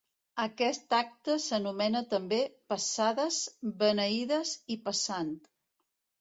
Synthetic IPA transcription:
əkɛst̪ak̚t̪əsənumɛnət̪əmbepəsaðəzβənəiðəzipəsant̪

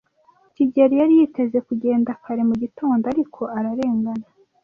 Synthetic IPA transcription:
ciɟeɾijaɾijite̞ze̞kuɟe̞ːndakʰaɾe̞muɟitoːndoaɾikʰo̞ʔaɾaɾe̞ːŋɡana

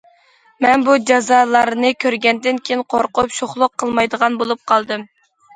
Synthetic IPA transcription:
mɛnbud͡ʒɑzɑlˠɑɾnɨkʲʰøɾɡʲɛnd̪ɪnkʲʰejinqʰoɾqʊpʃoχlˠʊqʰːəlˠmɑjd̪əʁɑnbolˠup̚qʰɑlˠd̪ɨm

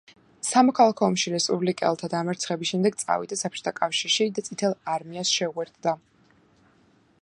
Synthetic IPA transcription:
samɔkʰalˠakʰɔːmʃiɾɛspʼublikʼɛ̰lˠt̪ʰad̪amɛɾt̪sʰχɛbisʃɛmd̪ɛɡt̪sʼa̰vḭd̪asapʰt͡ʃʰʼu̥t̪ʰakʼafʃiɾʃid̪at̪sʼit̪ʰɛlˠaɾmiasʃɛuɛɾt̪d̪a

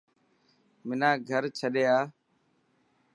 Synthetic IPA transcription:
mɪnãːɡʱəɾt͡ʃʰəɗeːaː

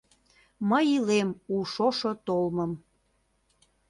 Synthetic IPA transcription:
məjilemuʃoʃot̪olmə̆m

